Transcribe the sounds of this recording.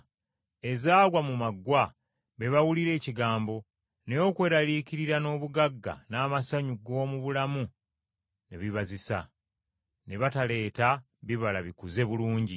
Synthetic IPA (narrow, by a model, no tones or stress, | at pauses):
e̞zaːɡwamumaɡːwa | βe̞βawuliɾe̞ːciɡaːmbo̞ | nejo̞kwe̞ːɾaliːkiɾiɾano̞ːβuɡaɡːa̰naːmasaɲuɡo̞ːmuβulamu | ne̞βiβazisa̰ | ne̞βatale̞ːta | βiβalaβikuze̞βuluːɲɟi